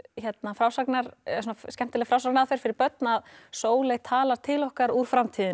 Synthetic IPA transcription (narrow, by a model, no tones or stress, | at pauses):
çɛt̪nafɾaːwsaknaɾ̥s̬uːnaskcɛm̥t̪ɪlɛfɾawsaknaðfeɾ̥fɪɾɪɾpœt̪̚naðsoːwlɛɣt̪ʰaːlaɾ̥t̪ʰɪlɔhkaɾuɾ̥fɾamt̪ʰiːðɪ